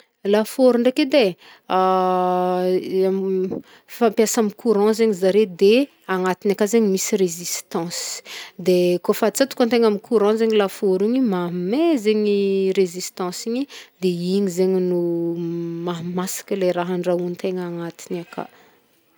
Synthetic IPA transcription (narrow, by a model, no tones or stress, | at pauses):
lafoɾuɳɖ͡ʐeked̪e | a | fãmpjasamikʰuɾɑ̃zeɲizaɾed̪e | aŋat̪inakazeɲimisirezist̪ɑ̃si̥d̪ekofat͡sat̪u̥kãnt̪eŋamikʰuɾɑ̃zeɲilafoɾiɲimamezeɲirezist̪ɑ̃siɲid̪eiɲizeɲinu | maɦmasi̥kəleɾaɦaɳɖ͡ʐaunt̪eŋaŋat̪inaka̰